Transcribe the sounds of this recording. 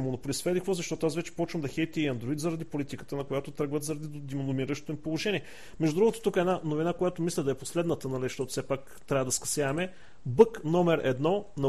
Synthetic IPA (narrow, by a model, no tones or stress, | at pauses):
monʊpolʲisfɛd̪ixvozɐʃt̪ɔt̪oasvɛt͡ʃɛ̥pɔt͡ʃvəmd̪ɐxɛjt̪iiɐnd̪ɾoit̪zɐɾɐd̪ipolit̪ikə̥t̪ənɐkojat̪ot̪ɾəɡvət̪zəɾɐd̪id̪imnʊmiɾəʃt̪ot̪oimpolˠoʒɛniɛ | mɛʒd̪d̪ɾuɡot̪o̥t̪ukɛdnanovinakojat̪omislʲɛd̪ɐɛposlɛd̪nət̪ənɐlizʃt̪ɔt̪ʊ̥fsɛpak | t̪ɾʲavəd̪ɐskɐ̥sjavɐmɛ | bɤknɔmɛɾɛ̰d̪nɔnɐ